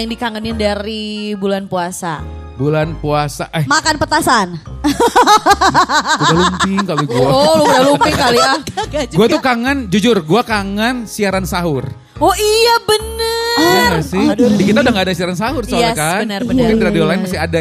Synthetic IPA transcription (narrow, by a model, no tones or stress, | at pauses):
jaŋdikaŋənɪndaɾibulanpuasa̰ | bulanpuasaʔɛmakanpət̪asan | udalumpɪŋkaluɡuaolobdalumpɪŋkaliad͡ʒɡuat̪ukaŋand͡ʒud͡ʒʊrɡuakaŋansiaɾansaɦʊr | ɔijabənəaasɪdikit̪audaŋɡaːdasiaɾansaɦʊrsoakabənərbənpɪŋdiɾadiolaɪnmast̪ɪada